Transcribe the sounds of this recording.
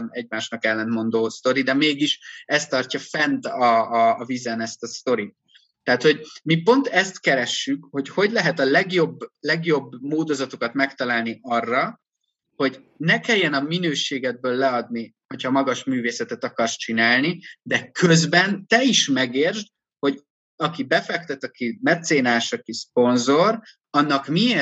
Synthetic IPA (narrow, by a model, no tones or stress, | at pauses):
mɛɟmaːʃnɒkɛlːɛnt̪mo̞nd̪oːst̪o̞ɾid̪ɛmeːɡiʃɛst̪ːɒrcɒfɛnt̪ɒːvizɛnɛst̪ɒst̪o̞ɾit̪̚ː | ɛːt̪ho̞ɟmipo̞nt̪ɛst̪kɛɾɛʃːykho̞cho̞ɟlɛɦɛt̪ɒlɛɡjo̞bːlɛɡjo̞bːmoːd̪o̞zɒt̪okɒt̪mɛkt̪ɒlaːlniʔɒrːɒ | ho̞ɟ | nɛkɛjːɛnɒminøːʃeːɡɛd̪̚bøːlːɛɒd̪̚ni | ho̞chɒmɒɡɒʃmyːveːsɛt̪ɛt̪ɒkɒrst͡ʃinaːlnid̪ɛkøzbɛnt̪ɛiʃmɛɡeːrʒd̪ | ho̞ɟ | ɒkibɛfɛkt̪ɛt̪ɒkimɛt̪seːnaːʃɒkispo̞nzo̞r | ɒnːɒkmieː